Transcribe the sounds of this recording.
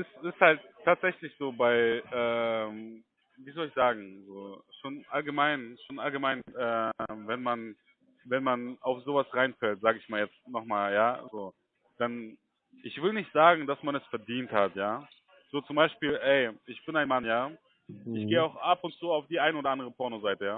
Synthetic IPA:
ʔɪstɪsthalt̚tʰːaːtz̥ɛçlɪçz̥oːbaɪʔɛːm | viːzɔlɪçz̥aːɡŋ̩zoːʃoːnʔalɡəmaɪnʃoːnalɡəmaɪnʔɛːmvɛnman | vɛnmanaʊfz̥oːvasʁaɪnfɛltz̥aːɡəɪçmaːljɛt͡stnɔχmaːljaːzoː | d̥an | ʔɪçv̥ɪlnɪçtz̥aːɡŋ̩d̥asmanɛsfɛɐdiːnthatjaː | z̥oːt͡sʊmbaɪʃpiːlʔɛɪʔɪçb̥ɪnaɪnmanjaː | ɪçɡ̥eːəaʊxʔapʊntt͡suːaʊfd̥iːʔaɪnəoːdɐʔandəʁ̞əpʰɔɐnozaɪtəjaː

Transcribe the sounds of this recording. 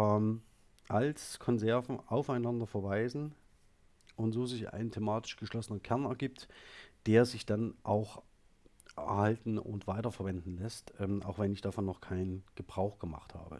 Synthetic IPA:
ʔɛm | ʔalskʰɔnzɛɐvn̩ʔaʊfaɪnandɐfɛɐvaɪzn̩ | ʔʊntz̥oːzɪçʔa̰ɪnəntʰemaːtɪ̥ʃɡ̥əʃlɔsənənkʰɛɐnɛɐɡiːp̚td̥eːɐzɪçd̥anʔaʊx | ʔɛ̰ɐhaltn̩ʊ̰ntv̥aɪtɐfɛɐvɛndn̩lɛstʔɛːmʔa̰ʊxv̥ɛnɪçd̥aːfɔnːɔχkʰaɪnnɡ̥əbʁaʊxɡ̥əma̰χtha̰ːbə̰

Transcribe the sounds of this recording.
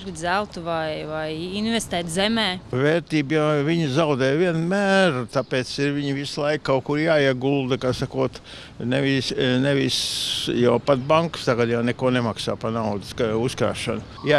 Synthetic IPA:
ɡd̪zælˠt̪uvajvajinvɛst̪æːt̪zɛmɛːvɛːɾt̪iːbjaviɲzaʊd̪ɛːjʋiɛnmæːɾt̪apeːt̪siɾviɲʋislˠaɪkːaʊkuɾjaːiɛɡulˠd̪əkasakuɔt̪ | neʋisneʋisjawpat̪̚baŋkst̪aɡad̪jawnekuɔnemaksa̰ːpanawd̪skuskɾa̰ːʃɐ̰nʊ | ja

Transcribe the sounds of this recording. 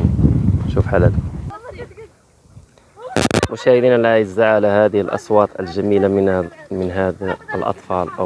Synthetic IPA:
ʃuːfħalat̪ | mʊʃæːhɪd̪iːnalajɪzaʕalahæːd̪ɪhɪlʔɑ̰sˤwɑːt̪ˤə̰lʒæmiːlammɪnɦalʔɑ̰t̪ˤfɑːlʔa̰

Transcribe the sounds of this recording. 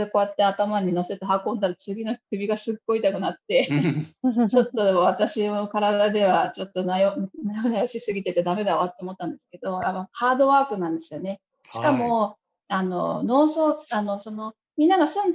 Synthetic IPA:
eko̞jat̪ːe̞at̪amaɲ̟ino̞se̞t̪eɦakõ̞nd̪aɾat͡sɨɡʲino̞kɯ̟bʲiɡasɨɡo̞it̪akɯ̟nat̪ːe̞ | t͡ɕo̞t̪ːo̞βat̪aɕiokaɾad̪ad̪e̞β̞at͡ɕo̞t̪ːo̞najonajonajoɕisɨɡʲit̪e̞t̪e̞d̪ame̞d̪eoβat̪ːemot̪ːãnd̪esɨ̥ke̞d̪o̞amahaːd̪o̞βaːkɯ̟nãnd̪e̞sɨjo̞ne̞ | ɕi̥kamo̞ | ano̞̰no̞ːsoano̞so̞no̞ | mʲĩnːaɡasɨ̃n

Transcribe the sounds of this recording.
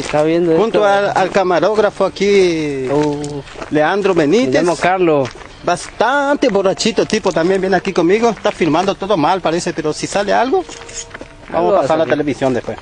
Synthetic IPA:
et̪aβjend̪oxunt̪oaalkamaɾoɣɾafoaki | leand̪ɾoβenit̪emokaɾlo | bast̪ant̪eβorat͡ʃit̪ot̪ipot̪ambjẽmbjeneakikomiɣoest̪afiɾmãnd̪ot̪oðomalpaɾesepeɾosisalealɣo | ba̰mosaasaɾɾlat̪eleβisjõnd̪epwes

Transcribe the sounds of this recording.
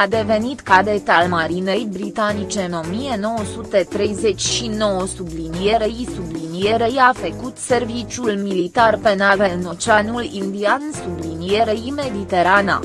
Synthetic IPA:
ad̪e̞ve̞nit̪kad̪et̪almaɾinejbɾit̪anit͡ʃe̞ɨno̞mijeno̞wosut̪et̪ɾe̞jze̞t͡ʃʲʃino̞wəsublinijeɾejisublinijeɾejafəkut̪se̞rvit͡ʃjulmilit̪arpenaveno̞t͡ʃanulind̪iansublinijeɾeime̞d̪it̪e̞ɾana̰

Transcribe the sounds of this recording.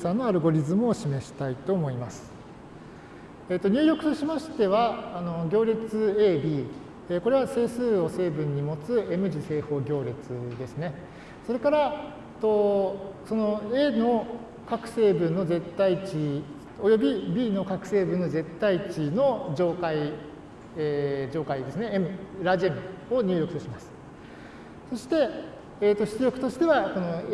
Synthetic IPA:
sãnːo̞aɾɯ̟ɡo̞ɾʲizɨmːɕime̞ɕi̥t̪ait̪o̞ːmo̞imasɨ̥ | et̪ːo̞ɲ̟ɨːjo̞kɯ̟̥t̪o̞ɕimaɕi̥t̪e̞β̞aːno̞ɡʲo̞ːɾʲet͡sɨe̞ːbʲiː | eko̞ɾe̞βase̞ːsɨːo̞se̞ːbɯ̟̃ɲ̟ːimo̞t͡sɨe̞mɯ̟ʑise̞ːho̞ːɡʲo̞ːɾʲet͡sɨd̪e̞sɨne̞ | so̞ɾe̞kaɾa | t̪oso̞no̞e̞no̞ | kakɯ̟̥se̞ːbɯ̟̃nːo̞ze̞t̪ːait͡ɕi | o̞jo̞bʲibʲiːno̞kakɯ̟̥se̞ːbɯ̟̃nːo̞ze̞t̪ːait͡ɕino̞d͡ʑo̞ːkai | ed͡ʑo̞ːkaid̪e̞sɨne̞emɯ̟ɾaʑẽŋoɲ̟ɨ̟ːɾjo̞kɯ̟t̪oɕimasɨ̥ | so̞ɕi̥t̪e̞ː | t̪ːo̞çi̥t͡sɨɾjo̞kɯ̟t̪o̞ɕi̥t̪e̞βako̞no

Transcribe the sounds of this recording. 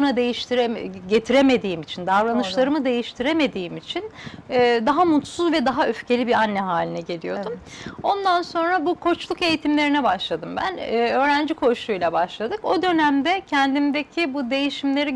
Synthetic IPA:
bunad̪e̞jiʃt̪ʰiɾɛɟe̞t̪ʰiɾeme̞d̪iːmit͡ʃʰind̪avɾanɯʃlˠaɾɯmɯd̪e̞jiʃt̪ʰiɾeme̞d̪iːimit͡ʃʰinɛːd̪aɦamut̪suzvɛd̪aɦaøfce̞lʲibiɾanːɛɦaːlʲinɛɟe̞lʲijo̞d̪umo̞nd̪anso̞nɾabukʰo̞t͡ʃlˠuke̞jit̪ʰimlʲe̞ɾinɛbaʃlˠad̪ɯmbæ̰nːø̞ːɾænd͡ʒikʰo̞ʃujlʲˠabaʃlˠad̪ɯko̞d̪ø̞næmd̪ɛcʰɛnd̪imd̪ecʰibud̪e̞jiʃimlʲe̞ɾi

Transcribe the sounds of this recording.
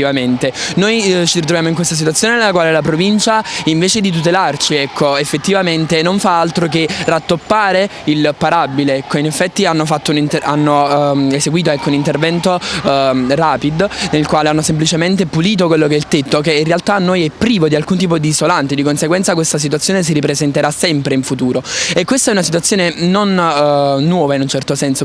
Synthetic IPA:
ivament̪enojt͡ʃirit̪ɾovjamoiŋkwest̪as̬it̪wat̪sjoːnenelːakwaːlelap̬ɾovint͡ʃaiɱveːt͡ʃed̪it̪̬ut̪elart͡ʃiɛkʰːoefːet̪ːivament̪enoɱfaalt̪ɾok̬erat̪ːopːaːɾeilpaɾabileɛkːoinefːɛt̪ːianːofat̪ːounint̪ea̰nːoeseɡwiːt̪oɛkːounint̪ervɛnt̪o | raːpid̪nelkwaːleanːosemplit͡ʃement̪epuliːt̪̬okwelːok̬ɛilt̪et̪ːokeinrealt̪anːojɛpːɾiːvod̪ialkunt̪̬iːp̬od̪iːsolant̪ed̪ikonseɡwɛnt̪sak̬west̪as̬it̪wat̪sjoːnes̬iɾip̬ɾezent̪eɾasɛmpɾeiɱfut̪uːɾoekːwest̪aɛunasit̪uwat̪sːjoːnenonː | wɔːvainunt͡ʃɛrt̪osɛnso

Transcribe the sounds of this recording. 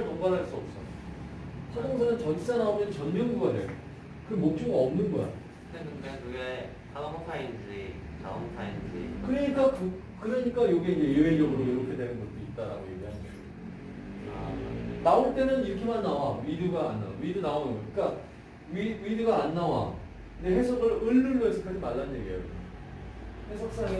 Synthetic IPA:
ɭtoŋbaɾɦaɭs͈uʌp̚s͈ʌ | sʰaɾʌŋsʰʌnɯnt͡ɕʌns͈anaomjʌnt͡ɕʌnmjʌnɡuɡʌadej | kɯmok̚t͡ɕ͈oɡiʌmnɯnɡʌja̰jo | eɯekɯɡe | sʰanamotʰaind͡ʑitʰaamʰotʰaind͡ʑḭkɯɾeɲik͈akɯ | kɯɾeɲik͈ajoɡieind͡ʑe̞jɯed͡ʑʌɡɯɾojoɾokʰe̞dwe̞nɯnɡʌt͈̚oit̚t͈aɾa̰ɡojeɡiɦanʌsʌ̰ | naoɭt͈e̞nɯniɾʌkʰe̞manːawawiduɡaːnːa̰oɥidunaonɯnɡɡʌɯɲik͈a | iwiduɡaːnːawa̰ | ndeɦe̞sʰʌɡɯɾɯɭːɯɭːʌesʰʌk͈ʰad͡ʑimaɭːannɲjḛɡiḛ | he̞sʰʌk̚s͈aŋe

